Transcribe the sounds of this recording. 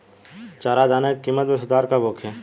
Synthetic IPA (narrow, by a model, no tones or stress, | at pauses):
t͡ʃaːɾad̪aːnekːiːmːət̪mesʊd̪aːɾkaboːkʰɛː